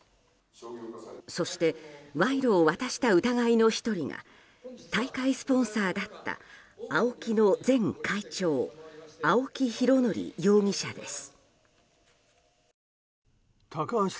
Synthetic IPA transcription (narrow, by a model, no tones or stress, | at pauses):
so̞ɕi̥t̪e̞βaiɾo̞ːβat̪aɕi̥t̪aɯ̟t̪aɡaino̞çi̥t̪o̞ɾʲiɡa̰ | t̪aikaisɨ̥põ̞ɰ̃saːd̪at̪ːa̰ː | o̞kʲino̞d͡zẽ̞ŋkʰait͡ɕo̞ːao̞kʲiçiɾo̞no̞ɾʲḭjo̞ːŋ̟ʲiɕad̪e̞sɨ̥ | t̪ʰakã